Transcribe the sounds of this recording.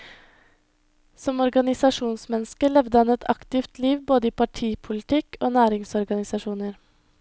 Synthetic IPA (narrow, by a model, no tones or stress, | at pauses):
sɔmɔɾɡɑnɪsɑʂuːnsmɛnːskəɭɛʋd̪əhɑnɛt̪ʰɑkt̪ɪft̪liːʋboːd̪əiːpʰɑʈʰiːpʰʊlɪt̪ɪkʰoːnæːɾɪŋsɔɾɡɑnɪsɑʂuːnəɾ